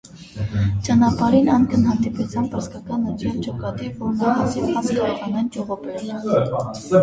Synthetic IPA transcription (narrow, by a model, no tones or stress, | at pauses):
t͡ʃɑnɑpɑɾinɑŋkʰənɦɑnd̪iput͡sʰjɑnpəɾskɑkɑnət̪ʰjɑlt͡ʃɔkɑt̪ivɔɾnɑχɑt͡sʰiɑt͡skɑtʰɑnɛnt͡ʃɔʁɔpɛɾl